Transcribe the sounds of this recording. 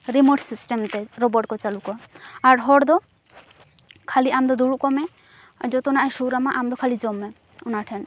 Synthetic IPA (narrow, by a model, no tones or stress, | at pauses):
ɾimɔʈsisʈɛmt̪ɛɾɔbɔɖkɔt͡ʃalukɔaaɾɦɔɽd̪ɔ | kʰaliamd̪ɔd̪uɽukɔmɛ | d͡ʒɔt̪ɔnaɛʃuɾamaʔamd̪ɔkʰalid͡ʒɔmːɛ | unaʈʰɛn